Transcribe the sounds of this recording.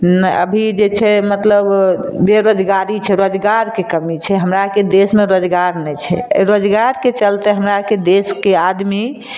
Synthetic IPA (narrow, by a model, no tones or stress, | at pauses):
nɛə̰bʱid͡ʒet͡ʃʰɛmət̪ləbbeɾod͡ʒɡaɾit͡ʃʰɛɾod͡ʒɡaɾkekəmit͡ʃʰɛɦəmɾaked̪esmeɾod͡ʒɡaɾnɛt͡ʃʰɛ̰ɾod͡ʒɡaɾket͡ʃəlt̪ɛɦəmɾaked̪eskead̪mi